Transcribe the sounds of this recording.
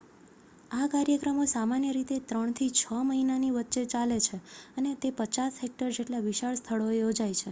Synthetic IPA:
akaɾjəkɾəmosamanjəɾit̪et̪ɾəɳ̃t̪ʰit͡ʃʰəməɦinaniʋətːʃet͡ʃalet͡ʃʰeənet̪epət͡ʃasɦek̚ʈəɾd͡ʒeʈlaʋiʃaɭst̪ʰəɭoejod͡ʒajt͡ʃʰe

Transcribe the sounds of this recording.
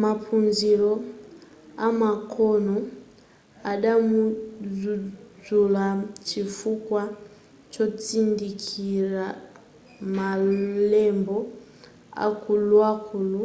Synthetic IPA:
mapʰunzilɔ | amakʰɔnɔ | aɗamuzuzulat͡ʃifukwa | t͡ʃɔt͡sindikʰiɾa | malɛmbɔ | a̰kulwakʰulu

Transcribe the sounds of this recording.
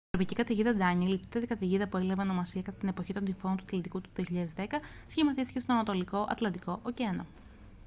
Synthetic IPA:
ivɾopicikɐt̪eʝiðɐd̪ɐɲilit̪i̥t̪ːet̪ikɐt̪eʝiðɐpuelɐveono̞mɐsiɐkɐt̪ɐt̪ine̞po̞çit̪o̞nd̪ifo̞nt̪uɐt̪lɐnt̪ikut̪uðioçiʎɐðe̞zðe̞kɐsçimɐθisi̥ce̞st̪oɐnɐt̪o̞liko̞ʔɐ̰t̪lɐnd̪iko̞ʔoceno̰

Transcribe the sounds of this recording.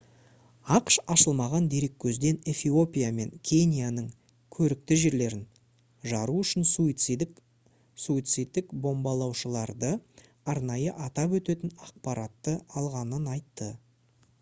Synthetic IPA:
ɑqʃɑʃəlˠmɑʁɑnd̪e̞ɾe̞kʲʰːɵzd̪e̞ne̞fio̞pʲijame̞̰ŋkʲʰe̞nʲijanəɴ | kʲʰɵɾɪk̚t̪ɪʒe̞ɾle̞ɾɪn | ʒɑɾuʏʃɪnsui | suit̪sɨjt̪ːɪkbo̞mbɑlˠɑwʃəlˠɑɾd̪ə | ɑɾnɑjəʔɑt̪ɑp̬wɵt̪e̞t̪ɪnɑq̚pɑɾɑt̪ːəɑlˠʁɑnənɑjt̪ːə

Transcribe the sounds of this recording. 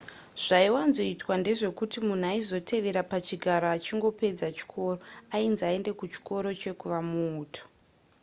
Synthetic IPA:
ʐ̥aiwanzo̞itwande̞ʐe̞kutimun̤uaizo̞tʰe̞ʋe̞ɾapat͡ʃiɡʱaɾoat͡ʃiŋɡo̞pe̞d͡zat͡ʃi̥kʰo̞ːro̞ainziae̞nde̞kut͡ʃi̥ko̞ɾo̞t͡ʃe̞kuʋamuːtʰo̥

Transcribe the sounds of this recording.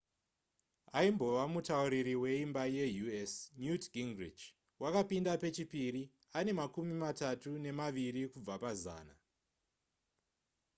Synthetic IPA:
aimbo̞ʋamutauɾiɾiwe̞imbaje̞juesnjutɡiŋɡrid͡ʒ | wakapindape̞t͡ʃipiɾi | ane̞makumimatatune̞maʋiɾikub͡vapaza̰ːna

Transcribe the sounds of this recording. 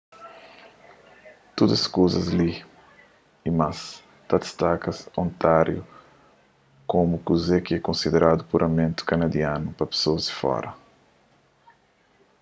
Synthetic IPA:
t̪od̪ɐskozɐzli | imas | t̪ɐd̪ist̪akɐsõnt̪aɾjṵ | komukuzɛkɪɛkõnsid̪eɾʔad̪upuɾʔɐmẽnt̪u̥kɐnɐd̪ianupɐpe̥soɐzd̪ifɔ̰ɾɐ

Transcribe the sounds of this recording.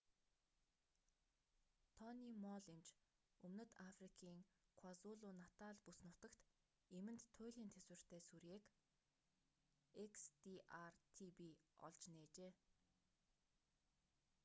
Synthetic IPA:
t̪ʰɔnimɔɮimt͡ɕ | ɵmnɵ̆t̪afrikʰiːŋkʰwazʊɮʊnat̪aːɮpusnʊt̪ə̆kt̪ | emɘ̆nt̪ʰːʊːɮʲiːnt̪ʰeswɘ̆r̥t̪ʰeːsuɾeːk | ekst̪iʔart̪ʰipiɔ̰ɮt͡ɕneːt͡ɕeː

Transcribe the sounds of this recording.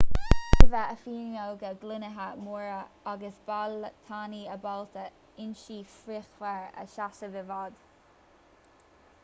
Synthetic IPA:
təvaʔəfiːɹŋowɡəɡlɪnəɦamuːɹəaɡəsb̥alt̪ʰaːniːəbalt̪ə | ɪnʃiːfɾixvɛɹə̰ʃasəvɪvad̪̥

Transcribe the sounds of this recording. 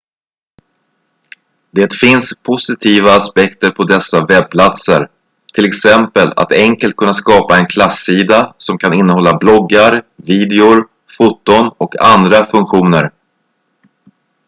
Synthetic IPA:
d̪eːt̪fɪnspʰʊsɪt̪ʰiːvaːspɛkt̪əɾpʰɔd̪ɛsːavɛb̚pʰlat̪səɾ | t̪ʰɪlɛksɛmpəla̰t̪ɛŋkəlt̪̚kʰɵnːaskɑːpaɛnkʰlasːiːd̪asɔmkʰanɪnːəhɔlːablɔɡːaɾviːd̪ɛʊɾ | fut̪ːʊnɔkʰa̰nd̪ɾafɵŋkɧuːnəɾ

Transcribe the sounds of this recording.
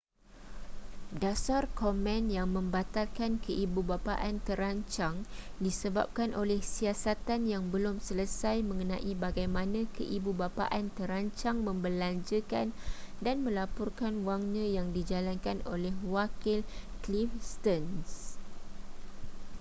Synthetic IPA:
dasarkomɛ̃njaŋmə̃mbat̪alkankʰəʔibubapa̰ʔant̪əɾaɲt͡ʃaŋdisəba̰p̚kanʔolɛhsiasat̪anjaŋbəlʊmsələsajmə̃ŋə̃nãʔibaɡajmãnãkəʔibubapa̰ʔant̪əɾaɲt͡ʃaŋmə̃mbəlaɲd͡ʒəkandanmə̃lapɔrkanwaŋnãjaŋdid͡ʒalankanolɛɦwakɪlklifst̪əns

